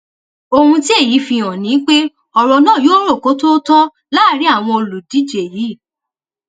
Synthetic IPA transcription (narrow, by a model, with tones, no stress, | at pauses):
o˧hũ˧ti˦e˦˨ji˨˦fĩ˧ɔ̃˨nĩ˨˦k͡pe˦ | ɔ˨ɾɔ˧nɔ̃ː˦˨joː˦ɾo˦˨ko˨˦to˦tɔ̃˦ | laː˦˨ɾi˨˦a˦˨w̃ɔ̃˧o˧lu˨di˨˦d͡ʒe˨ji˨˦˨